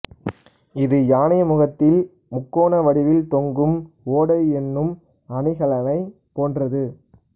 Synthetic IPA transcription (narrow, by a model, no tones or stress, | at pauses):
ɪðɯjaːnɪjɐmʊɣɐt̪ːɪl | mʊkːoːɳɐʋɐɽɪʋɪlt̪ɔŋɡɯm | oːɽɐɪɛnːɯm | ɐɳɪɣɐlɐnɐɪ | poːndrɐðɯ